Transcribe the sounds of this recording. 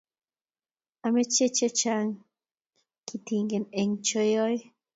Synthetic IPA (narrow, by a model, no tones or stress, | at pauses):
amet͡ʃet͡ʃet͡ʃaŋ | kit̪iŋɡeneŋt͡ʃojoj